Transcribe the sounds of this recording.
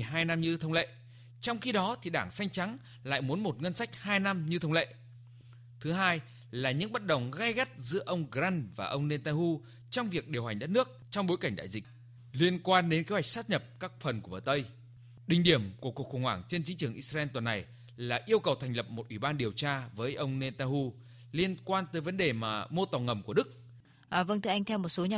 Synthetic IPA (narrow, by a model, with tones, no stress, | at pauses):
ɦaː˧jna˧mɲɨ˧t̪ʰə˧wŋ͡mlḛ˧˨ | t͡ɕɔ˧wŋ͡mxi˧ɗɔ˨˦t̪ʰi˨˩ɗaː˧˩ŋsa˧jŋ̟t͡ɕa˨˦ŋ | la̰ː˧˨jmu˨˦nmo˨˩t̚ŋə˧nsa˦˥jk̟̚haː˧jna˧mɲɨ˧t̪ʰə˧wŋ͡mlḛ˧˨ | t̪ʰɨ˨˦ɦaː˧j | laː˨˩ɲɨ̰˧˥ŋɓə˦˥t̚ɗə˨˩wŋ͡mɣa˧jɣə˦˥t̚zɨ̰˧˥əʔə˧wŋ͡mɣza˧nvaː˨˩ʔə˧wŋ͡mne˧nt̪a˧nhu˧ | t͡ɕɔ˧wŋ͡mvi˨˩ək̚ɗi˨˩əwha˨˩ŋ̟ɗə˦˥t̚nɨ˦˥ək̚t͡ɕɔ˧wŋ͡mɓo˨˦jka˧˩ŋ̟ɗa̰ː˧˨jzï˨˩k̚ | li˧ənkwaː˧nɗe˨˦nke˨˦hwa˨˩jk̚saː˦˥t̚ɲə˨˩p̚kaː˦˥k̚fə˨˩nku˧˩ɓəː˧˨˩t̪ə˧j | ɗï˧˩ŋ̟ɗi˧˩əmku˧˩əku˨˩kxə˧˩wŋ͡mhwaː˧˩ŋt͡ɕe˧nt͡ɕi˨˦ŋt͡ɕɨ˨˩əŋʔi˦˧a˧ɛ˧nt̪wə˨˩nːa˨˩j | laː˨˩ʔi˧əwkə˨˩wt̪ʰɛ˨˩jŋ̟lə˨˩p̚mo˨˩t̚ʔwi˧˩ɓaː˧nɗi˨˩əwt͡ɕaː˧vəː˨˦jʔə˧wŋ͡mne˧t̪a˧nhu˧ | li˧ənkwaː˧nt̪əː˨˦jvə˨˦nɗe˨˩maː˨˩mo˧t̪ɔ˨˩ŋə˨˩mku˧˩əɗɨ˦˥k̚ | ʔəː˨˩və˧ŋt̪ɨ˧ʔjŋt̪ʰɛ˧wmo˨˩t̚so˨˦ɲa˨